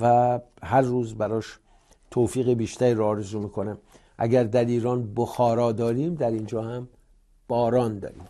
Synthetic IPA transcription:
væhæɾːuːzbæɾɒːʃ | t̪ʰoːfiːɣebiːʃt̪æɾiɾɔːɾezuːmiːkʰonæm | ʔæ̰ɡæɾd̪æɾiːɾɒːnboxɒːɾɒːd̪ɒːɾiːmd̪æɾind͡ʒɒːhæm | b̥ɒːɾɒːnd̪ɒ̰ːɾḭːm

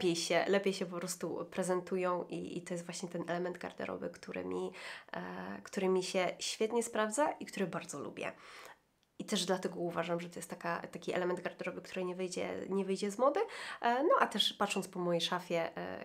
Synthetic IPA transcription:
pʲjejɕɛlɛpʲjejɕɛpɔpɾɔst̪upɾɛzɛnt̪ujɔ̃w̃ʔḭḭt̪ɔjɛst̪vwaɕɲɛt̪ɛnɛlɛmɛnd̪̚ɡa̰ɾd̪ɛ̰ɾʔɔ̰vɘ̰kt̪uɾɘ̰mʲi | kt̪uɾɘmʲiɕɛɕfʲjɛt̪ɲɛspɾavd̪zaʔikt̪uɾɘbaɾd̪zɔlṵbʲjɛ̰ | it̪ɛʐd̪lat̪ɛɡɔuvaʐamʐɛt̪ɔjɛst̪ːakat̪akʲiʔɛ̰lɛmɛnd̪̚ɡaɾd̪ɛɾɔvɘkt̪uɾɘɲɛvɘjd͡ʑɛ̰ɲɛvɘjd͡ʑɛzmɔd̪ɘnɔʔat̪ɛʂpat̪ʂɔnt̪pɔmɔjejʂafʲjɛ̰

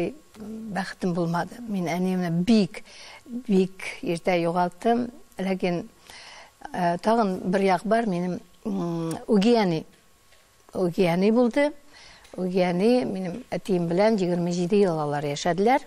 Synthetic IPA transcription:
jbæχə̥t̪ɪmbolˠmɑd̪əmenænemnɪbijkbikeɾt̪æjoʁɑlˠt̪ːəmlækʲɪn | t̪ʰɑʁənbɪɾjɑqbɑɾme̞nɪm | uɡʲijæni | uɡʲiænibolˠd̪ə | uɡʲijænime̞nɪmæt̪ijɪmbɪlænʒiɡʲɪɾməʒed̪ɪjəlˠlˠɑlˠɑɾjæʃæd̪ɪlæɾ

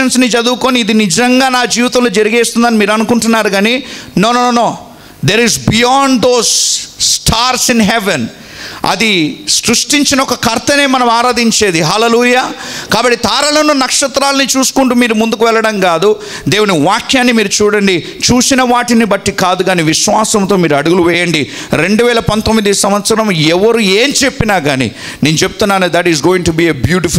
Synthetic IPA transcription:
ɐnsnit͡ʃɐd̪uːkoːniːd̪inid͡ʒɐŋɡaːnaːd͡ʒiːʋit̪ɐmloːd͡ʒɐɾiɡeːst̪und̪ɐːnimiːɾuɐnukuɳʈunːaːɾuɡaːninoːnonoːnoː | d̪eːɾizbijaːɳɖd̪oːsː | ʈʰaːɾsinɦɛʋen | ɐ̰d̪isɾuʂʈiɲt͡ʃinɐɔkɐkɐɾt̪ʰɐne̞ːmɐnɐmaːɾaːd̪iɲt͡ʃe̞ːd̪iɦaːleluːjaːkaːbɐʈːit̪aːɾɐlɐnunɐkʂɐt̪ɾaːlɐnit͡ʃuːsu̥kuɳʈuːmiːɾumund̪ukuʋɛlːɐɽɐŋkaːd̪u | d̪e̞ːwuniʋaːkʰjaːnːimiːɾut͡ʃuːɽɐɳɖi | t͡ʃuːsinɐʋaːʈinibɐʈːikaːd̪uɡaːniʋiʃʋaːsɐmt̪oːmiːɾuɐɽuɡuluʋɛːjɐɳɖi | ɾe̞ɳɖuʋɛːlɐpɐnt̪omːid̪isɐmʋɐt̪sɐɾɐmɛʋɐɾueːnt͡ʃe̞pːinaːɡaːnḭ | ne̞ːnut͡ʃebu̥t̪unːaːnud̪ɐʈizɡoːjiŋʈubiːebjuːʈi

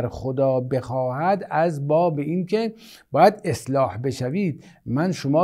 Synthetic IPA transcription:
ɾxod̪ɒːbe̞xɒːhæd̪æzbɒːbeiːnkʰe̞ | b̥ɒːjæd̪eslɒːhbe̞ʃæviːd̪̥̚ | mænʃomɒː

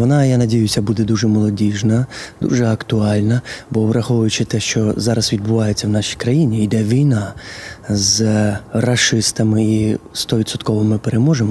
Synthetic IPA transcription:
ʋɔnɑjanɐdʲijʊsʲɐbud̪ɛd̪uʒɛmɔlˠɔdʲiʒnɐd̪ṵʒɛɐkt̪ʊɑlʲnɐbɔbɾɐxɔʋʊjʊt͡ʃɪt̪ɛʃt͡ʃɔzɑɾɐzʋʲid̪̚bʊʋɑjet͡sʲːɐwnɑʃijkɾɐjinʲiːd̪ɛʋʲijnɑ | zrɐʃɪst̪ɐmɪist̪ɔʋʲit̪sɔt̪kɔʋɔmɪpeɾemɔʒemɔ

